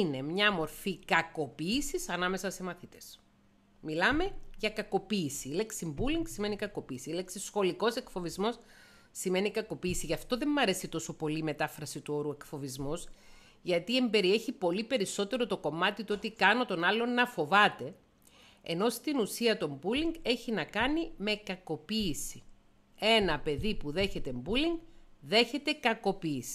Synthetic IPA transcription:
ine̞mɲɐmo̞ɾfikɐko̞piːsisɐnɐme̞sɐse̞mɐθit̪e̥s | milɐme̞ʝɐkɐko̞piːsileksimbuliŋɡsime̞nikɐko̞piːsileksisxo̞liko̞se̞kfo̞vizmo̞s | sime̞nikɐko̞piːsiʝɐft̪o̞ðe̞mːɐɾe̞sit̪o̞so̞po̞liːme̞t̪ɐfɾɐsit̪uo̞ɾue̞kfo̞vizmos | ʝɐt̪ie̞mbe̞ɾie̞çipo̞lipe̞ɾiso̞t̪e̞ɾo̞t̪o̞ko̞mɐt̪it̪o̞t̪ikɐno̞t̪o̞nɐlːo̞nɐfo̞vɐt̪e̞̰ː | no̞st̪inusiɐt̪o̞mbuliŋɡe̞çinɐkɐnime̞kɐko̞piːsi̥ | e̞nɐpe̞ðipuðe̞çe̞t̪e̞mbuliŋɡðe̞çe̞t̪e̞kɐko̞piːsi̥

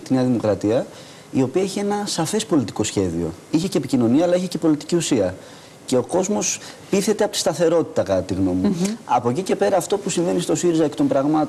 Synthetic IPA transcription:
t̪ineɐðimo̞kɾɐt̪iɐ | io̞piɐeçie̞nɐsɐfe̞spo̞lit̪i̥ko̞sçe̞ðḭo̞̰içeceːpicino̞niɐːlɐiçece̞po̞lit̪i̥ciusiɐ | ce̞o̞ko̞zmo̞s | piθe̞t̪eɐpot̪ist̪ɐθe̞ɾo̞t̪i̥t̪ɐkɐtt̪iɣno̞muɐpo̞cice̞pe̞ɾɐːft̪o̞pusiɱve̞nist̪o̞siɾizɐekt̪o̞mbɾɐɣmɐt̪o

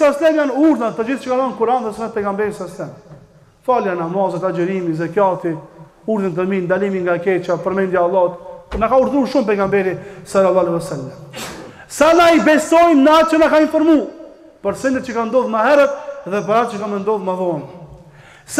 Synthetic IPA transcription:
saslɛnjanuɾðat̪əd͡ʒiθt͡ʃəkaðɔnkuɾanðɛsənat̪̚pɛɡambɛɾisaslɛn | faljanamazɛt̪ad͡ʒəɾimizɛkjat̪i | uɾðənt̪̬əmind̪alimiŋɡakɛt͡ʃapəɾmɛnd̪jaːlˠːɑt̪nakauɾðuɾʃumpɛɡambɛɾisalalːˠˤɑːlɛwɛsalːam | sanaibɛst̪ɔjmnat͡ʃənakainfɔɾmu | pəɾsɛnd̪ɛt̪̚t͡ʃəkand̪ɔðmaɦɛɾət̪ðɛp̬əɾat͡ʃəkamənd̪ɔðmaðɔn | s

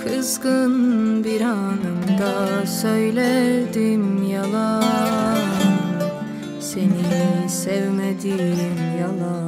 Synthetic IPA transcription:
kʰɯzɡɯnbiɾanɯmd̪asøjlʲæɾd̪imjalˠa | senisɛvmed̪imjalˠa

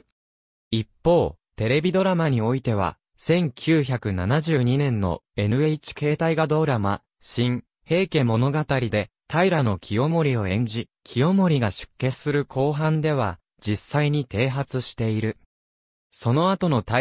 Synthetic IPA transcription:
ipːo̞ː | t̪e̞ɾe̞bʲid̪o̞ɾamaɲ̟io̞it̪e̞β̞a̰ | sẽ̞ŋkʲʰɨːçakɯ̟nanaʑɨːɲ̟inẽ̞nːo̞̰e̞nɯ̟e̞it͡ɕi̥ke̞ːt̪aiɡad̪o̞ɾama̰ | ɕĩɰ | he̞ːke̞mo̞no̞ɡat̪aɾʲid̪e̞t̪aiɾano̞kʲʰio̞mo̞ɾʲio̞ẽ̞ɲ̟d͡ʑi | kʲʰio̞mo̞ɾʲiɡaɕɨ̥kːe̞sɨɾɯ̟kʰo̞ːɦãnd̪e̞β̞a | d͡ʑisːaiɲ̟it̪e̞ːɦat͡sɨɕi̥t̪e̞iɾɯ̟ | so̞no̞at̪o̞no̞t̪

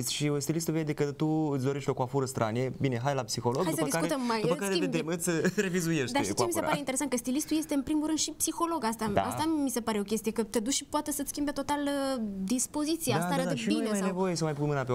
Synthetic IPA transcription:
sʲʃiost̪ilist̪uvejed̪ekɨt̪uɨt̪sʲd̪o̞ɾeʃt̪o̞kuafuɾəst̪ɾʔa̰ne̞bine̞ɦajlapsixo̞loɡdajd̪usəəd̪ikaɾkuet̪əmmaj̪upəkaɾeived̪emɨt̪sʲɾe̞vizuje̞ʃd̪d̪aʃit͡ʃiemiseɾpaeineɾesankəst̪ilist̪uje̞st̪e̞ɨnpɾimuɾɨnʃipsixo̞lo̞ɡast̪aa̰st̪amise̞paɾe̞o̞kʲe̞st̪ije̞kət̪ed̪uʃʃipoat̪esət̪skʲimbet̪o̞t̪aləd̪ispo̞zit̪sijeast̪aɾabinesnevo̞jesəmajpunmɨnape

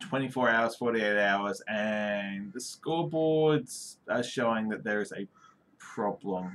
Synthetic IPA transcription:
tʰw̥ɛ̃ɾ̃ifɔɹaʊəz̥fɔɹɾieɪɾaʊəzɨ̃nðɨskulˠbɔɹdz̥əʃoʊɪ̃ŋðɨt̪̚ðə˞ɨzɨ | pʰɹ̥ɑblə̃m

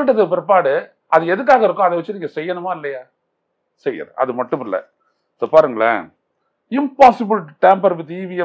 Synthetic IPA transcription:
ʈ̬ːɐðɯpɪɾɐp̬ːaːɽɯ | ʔɐðɯɛðɯk̬ːaːɣɐɪɾɯkːõːɐðɛʋɐt͡ʃːɯniːŋɡɐsɛjːɐnɯmaːɪlːɐjaː | sɛjɐ̰ɾʔɐ̰ðɯmɐʈːɯmɪlːɐ̰ | soːpaːɾɯŋɡɐɭɐ̰ | ɪmpaːsɪbɪlʈɛːmpɐɾʋɪðiːʋɪjɐ

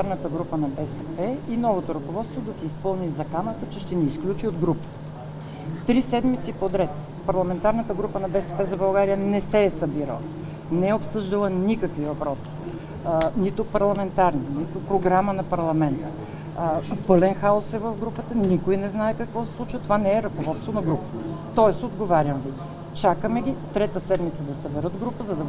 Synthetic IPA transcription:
aɾnət̪əɡɾupənɐbɛsɛpɛinɔvot̪oɾɐkovɔt̪st̪vod̪ɐsɛispɤlˠnizɐkanət̪ət͡ʃɛʃt̪ɛniːsklʲut͡ʃiod̪ɡɾupə̥t̪ə̥ | t̪ɾisɛd̪mit̪sipod̪ɾɛt̪ | pɐɾlˠɐmɛnt̪aɾnət̪əɡɾupənɐbɛsɛ̥pɛzɐbɐlˠɡaɾijənɛsɛːsəbiɾə̰lˠə | nɛɛopsɤʒd̪əlˠənikəkvivɐpɾɔsi̥ | nit̪ʊpɐɾlˠɐmɛnt̪aɾninit̪opɾoɡɾamənɐpɐɾlˠɐmɛnt̪ə | pɤlɛnxaosɛvɐfɡɾupət̪ənikojnɛznaɛkɐkvɔsɛ̥slˠut͡ʃvət̪ovanɛːɾɐkovɔt̪st̪vonɐɡɾupət̪ɔɛsod̪ɡovaɾʲəmvi | t͡ʃakəmɛɡʲit̪ɾɛt̪əsɛd̪mit̪səd̪ɐsɐbɛɾɤd̪ɡɾupəzɐd̪ɐ

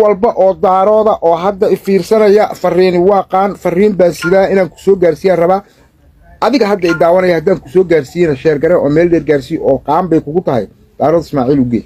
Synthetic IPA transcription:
wɑlbɐʔɔːd̪aːɾɔːðɐʔɔːɦɐd̪ːɐɪfiːrsɐnɐjɐfɐriːnɪwɑːqɑːnfɐriːmbaːnsɪðaːɪnaːŋkʰʊ̥sɔːɡaːrsiːjaːrɐβaː | ʔɐðɪɣɐɦɐd̪ːɐɪd̪aːwɐnɐjɐhɐd̪aːŋkʰʊ̥sɔːɡaːrsijɛnɐʃɛːrɡɐɾɛʔɔːmɛːldɛːrɡaːrsijʔɔːqɑːmbɛjkʰʊɣʊt̪ʰɐɦɛ̰j | d̪̥aːɾɔːðɪsmaːʕiːlʊɡḛːj

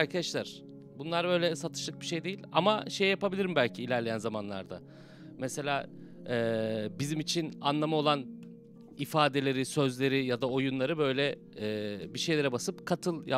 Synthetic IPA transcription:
ɾkʰad̪aʃlʲæɾ̥ | bunlˠaɾbø̞jlʲɛsat̪ʰɯ̥ʃlˠɯk̚biʃe̞jd̪e̞jilʲa̰ma̰ʃe̞jjapabilʲiɾimbælʲcʰiːlʲæɾlʲe̞jænzamanlˠa̰ɾd̪a̰ | mɛse̞lʲaː | ɛːbizimit͡ʃʰinanlˠamao̞lˠan | ifaːd̪e̞lʲe̞ɾisøzlʲe̞ɾijad̪ao̞junlˠaɾɯbø̞jlʲɛː | biʃejlʲe̞ɾɛbasɯpkʰat̪ʰɯlˠj

